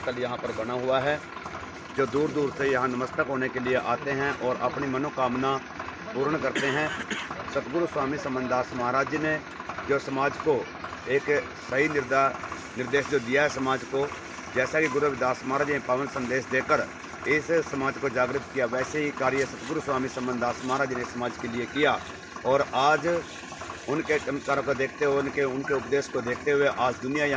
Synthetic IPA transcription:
kəljɐɦãpəɾbɐnaɦʊaɦɛ | d͡ʒoːd̪uːɾd̪uːɾsejɐɦãnɐməst̪əkɦoːnekelieʔaːt̪eɦɛ̃ʔɔːɾɐpnimɐnokaːmna | buːɾəɳkɐɾt̪eɦɛ̃sɐt̪ɡʊɾuswaːmisɐ̃mbə̃nd̪aːsmaːɾaːd͡ʒjəne | d͡ʒoːsɐmaːd͡ʒko | eːk | sɐɦinɪɾ | nɪɾd̪eːʃd͡ʒoːd̪ijaɦɛsɐmaːd͡ʒko | d͡ʒɛːsakiɡʊɾubɪd̪aːsmaːɾaːd͡ʒnepəʋənsə̃nd̪eːʃd̪eːkəɾ | ɪsːɐmaːd͡ʒkod͡ʒaːɡɾɪt̪kijaʋɛːseɦikaːɾɪjəsɐt̪ɡʊɾuswaːmisɐ̃mbənd̪aːsmaːɾaːd͡ʒnesːɐmaːd͡ʒkeliekija | ɔːɾaːd͡ʒ | ʊnkekkaɾ̃kod̪eːkʰt̪eɦnkeʊnkeʊpd̪eːʃkod̪eːk̚ʰt̪eɦʊeʔaːd͡ʒd̪ʊnijaja

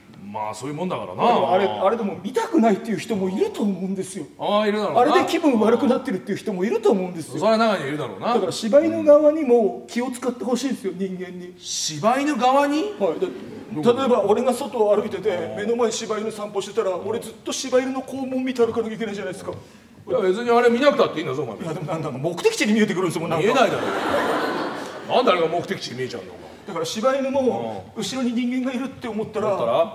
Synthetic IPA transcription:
ma̰ːso̞ːjɯ̟mõ̞nd̪a̰ka̰ɾa̰naemoaɾe̞aɾe̞d̪e̞mo̞mʲit̪akɯ̟nait̪ːe̞jɯ̟çi̥t̪o̞mo̞iɾɯ̟t̪o̞ːmo̞ɯ̟̃nd̪e̞sɨjo̞aiɾɯaɾoaɾed̪ekʲibɯ̟̃ɰ̃βaɾɯ̟kɯ̟nat̪ːe̞ɾɯ̟t̪ːeiɯ̟çi̥t̪o̞mo̞iɾɯ̟t̪oːmo̞ɯ̟̃nd̪e̞sɨɨjooɾeanakaɲiiɾɯ̟d̪aɾo̰ːnad̪akaɾaɕibaino̞ɡaβaɲ̟imo̞kʲio̞t͡sɨ̥kat̪ːeho̞ɕiːd̪sɨjo̞ɲ̟ĩŋɡẽ̞ɲ̟ːi | ɕibaino̞ɡaβaɲ̟ihaid̪a | t̪at̪o̞e̞bao̞ɾe̞ɡaso̞t̪o̞ːaɾɯ̟it̪e̞t̪e̞me̞no̞maeɕibainosãmpoɕi̥t̪e̞t̪aɾao̞ɾe̞zɨt̪ːo̞ɕibaiɾɯno̞ko̞ːmoːmʲit̪aɾɯ̟kanoaik̬e̞naid͡ʑanaid̪eska | be̞t͡sɨɲ̟iaɾe̞mʲinakɯ̟t̪at̪ːeĩnd̪asoma̰jad̪e̞mo̞nãnd̪akamo̞kɯ̟t̪e̞kʲi̥t͡ɕiɲ̟imʲie̞t̪ekɯɾɯ̃nsomonãŋenaid̪aɾo̰ | nãnd̪eaɾeɡamokɯ̟t̪e̞kʲi̥t͡ɕiɲʲimiet͡ɕã̰na̰o̰ka̰d̪̥akaɾaɕibaiɾɯmo̞ɯ̟ɕiɾo̞ɲ̟iɲ̟ĩŋɡẽ̞ŋɡaiɾɯ̟t̪ːe̞omo̞t̪ːaɾaaɾa

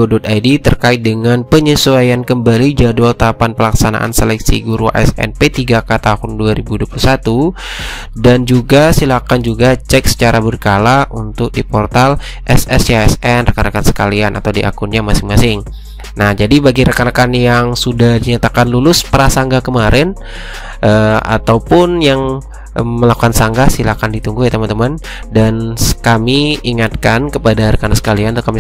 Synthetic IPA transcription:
odɔt̪̚ajdit̪ərkaɪt̪̚dəŋanpəɲəsuajankəmbalid͡ʒadualt̪apanpəlaksana̰ʔa̰nselɛksḭɡuɾua̰ʔɛ̰sɛ̰npet̪iɡakat̪ahʊnduaɾibuduapulusat̪u | dand͡ʒuɡasilakand͡ʒuɡat͡ʃɛk̚sə̥t͡ʃaɾabərkalaunt̪ʊk̚dipɔrt̪al | ʔɛsɛsaɛsɛnrəkanakansə̥kalianʔa̰t̪awdiʔa̰kʊnɲamasɪŋmasɪŋ | nahd͡ʒadibaɡiɾəkanakanjaŋsudahdiɲat̪akanlulʊspəɾasaŋɡakəmaɾɛn | ʔəa̰t̪awpʊnjaŋ | məlakukansaŋɡasilakandit̪uŋɡuhet̪əmant̪əman | danskamiiŋat̪̚kankəpadaɾəkanansə̥kalianat̪kami

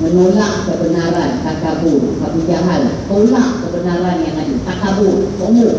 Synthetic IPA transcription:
mənolaʔkəbənaɾant̪ak̪aburkapid͡ʒaɦalt̪olaʔkəbənaɾanjaŋadut̪aʔk̪abʊrkomər

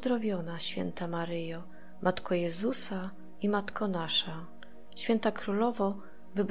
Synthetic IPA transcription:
d̪ɾɔvʲjɔnaɕfʲjɛ̰nt̪amaɾɘjɔ | mʔat̪kʰɔjɛzusa | imat̪kʰɔnaʂa | ɕfʲɛnt̪akɾulɔvɔ | vɘb

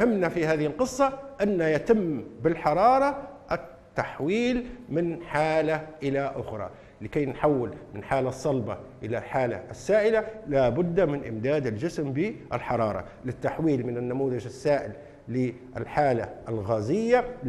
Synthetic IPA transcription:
hɪmːnafihaːðɪhɪlqɨsˤːɑʔanːajat̪ɪmːbɪlħɑɾˤɑːɾˤɑʔɪt̪ːaħwiːlmɪnħaːlaʔɪlaʔʊxɾˤɑ̰ | lɪkajnħawːɪlmɪnħaːlasˤːɑlbɑʔɪlalħaːla̰ʔsːaːʔɪlalabʊd̪ːamɪnʔɪmd̪aːd̪ɪlʒɪsmbiʔɪ̰lħɑɾˤɑːɾˤɑ̰ | lɪt̪ːaħwiːlmɪnɪnːamuːðɪʒɪsːaːʔɪlː | ɪ | ʔɪlħaːla̰ʔɪlɣaːzɪjːa

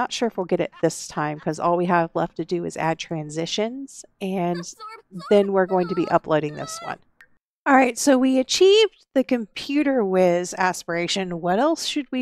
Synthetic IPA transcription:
ətʃʊɹɨfwilˠɡɛɾɨ̰t̪̚ðɪstʰãɪ̃mkʰʌzɔ̰lˠwiəvlɛ̰ftɨdɨɨ̰zæ̰d̚tʰɹ̥æ̃nzɪʃɨ̃nz̥ɨ̃nðɨ̃nwɪɹɡoʊɪ̃ŋtʰɨbḭʔʌ̰pʰloʊɾɪ̃ŋðɪ̰swʌ̰̃n | ɑlˠɹaɪtsoʊwiɨt͡ʃʰivðɨkɨ̃mpʰj̥ʉɾə˞wɪðæspə˞eɪʃɨ̃nwʌɾɛlˠsʃɨd̚wi

